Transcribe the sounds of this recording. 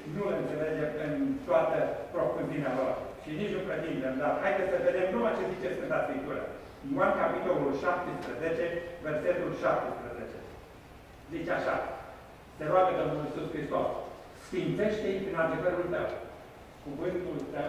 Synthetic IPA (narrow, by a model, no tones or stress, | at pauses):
nuɨnt̪seled͡ʒemɨnt̪oat̪əpɾo̞funzinealasʃinit͡ʃnukɾed̪imd̪emd̪aɾhajd̪et̪səved̪emnumat͡ʃe̞zit͡ʃeskɨnt̪at̪skɾip̚t̪uɾa̰ | juankapit̪o̞lulʃap̚t̪espɾəzet͡ʃe̞verse̞t̪ulʃap̚t̪espɾəzet͡ʃe | zit͡ʃaʃa̰ | seɾoabed̪omulisuskɾist̪os | sfimt̪se̞ʃt̪eipinald̪e̞vəɾult̪əw | kuvɨnt̪ult̪əw